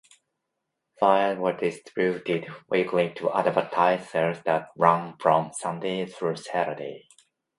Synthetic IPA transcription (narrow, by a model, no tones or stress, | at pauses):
faɪwə˞dɪstʰɹutɪdwikʰlitʰuʔa̰dbətʰaɪsə˞sðæt̚ɹʌ̃nfɹɔ̃msʌ̃ndeθɹusæɾə˞dḛ